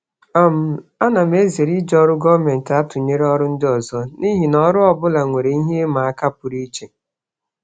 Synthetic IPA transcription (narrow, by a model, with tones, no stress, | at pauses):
a˦˨m̩˨a˦na˨m˦e˦ze˨ɾi˦d͡ʒɔ˦ɾʊ˦ɡɔ˦me˨n̩˨ta˦tʊ˨ɲe˦ɾe˦ɔ˦ɾʊ˦n̩˦dɪ˦ɔ˨zɔ˦ni˦ɦi˨nɔ˦ɾʊ˦ɔ˦˨bʊ˦la˨ŋʷe˨ɾe˨i˦ɦe˦ma˨a˦ka˦pʊ˨ɾi˦t͡ʃe˨